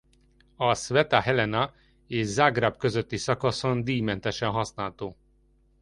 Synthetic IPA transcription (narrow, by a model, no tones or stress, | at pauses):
ɒsʋɛt̪aɦɛlɛnɒ | eːʃzaɡrabkøzøt̪ːisɒkɒso̞nd̪iːmɛnt̪ɛʃɛnɦɒsnaːlt̪oː